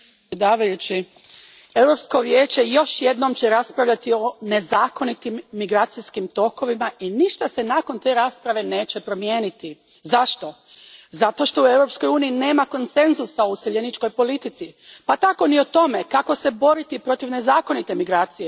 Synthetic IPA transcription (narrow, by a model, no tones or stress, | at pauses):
ed̪aːʋajut͡ɕi | e̞wɾo̞psko̞ʋjeːt͡ɕe̞jo̞ʃje̞d̪no̞mt͡ɕeɾaspɾaʋʎat̪io̞ne̞zaːko̞nit̪imːiɡɾaːt̪siskimt̪o̞ko̞ʋimainiʃt̪ase̞nako̞nt̪e̞ɾaːspɾaʋe̞ne̞ːt͡ɕepɾo̞mje̞ːnit̪i | zaʃt̪o̞ | zat̪o̞ʃt̪o̞ue̞wɾo̞psko̞juːniːne̞ːmako̞nse̞nzusaouseʎenit͡ʃko̞jpo̞lit̪it̪sipat̪ako̞nio̞t̪o̞me̞kako̞se̞bo̞ɾit̪ipɾo̞t̪iʋne̞zaːko̞nit̪e̞miɡɾaːt̪sije